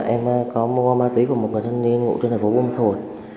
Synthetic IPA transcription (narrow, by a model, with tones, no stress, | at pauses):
ʔɛ˧mkɔ˨˦m˧kɔ˧maː˧t̪wi˨˦ku˧˩əmo˨˩t̚ŋɨ˨˩t̪ʰa˧ŋni˧ənŋṵ˧˨t͡ɕɔ˧nʰː˨˩fo˨˦ɓu˧m˧t̪ʰo˧˩˨j̚